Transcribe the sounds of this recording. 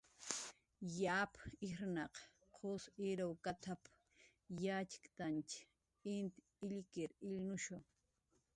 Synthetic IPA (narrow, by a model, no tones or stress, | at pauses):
japɪɾnɑq | qʰosɪɾawkat̪ʰap | jat͡ʃɪ̥kt̪ant͡ʃ | ɪnt̪ | ɪʎkɪɾɪʎnʊʃoŋ